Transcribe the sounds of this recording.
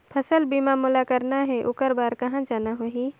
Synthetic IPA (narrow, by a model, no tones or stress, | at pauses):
pʰəsəlbiːmamulakəɾnaɦɛʔʊkəɾbaːɾkɐɦãd͡ʒaːnaɦoɦi